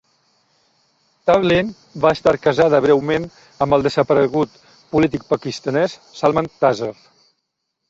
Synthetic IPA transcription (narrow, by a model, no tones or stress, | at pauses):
t̪aβlin | baəst̪aɾkəzaðəβ̞ɾɛwmen | əmbəlˠd̪əzəpəɾəɣut̪ | pulit̪ik̚pəkist̪ənɛssalˠmənt̪azəf